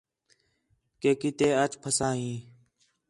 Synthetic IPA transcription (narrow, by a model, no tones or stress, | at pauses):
keːkiːt̪eːət͡ʃpʰəsãːɦĩː